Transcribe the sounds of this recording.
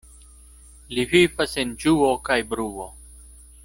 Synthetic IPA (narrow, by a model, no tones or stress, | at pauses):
livifɐsend͡ʒuːokajbɾuːo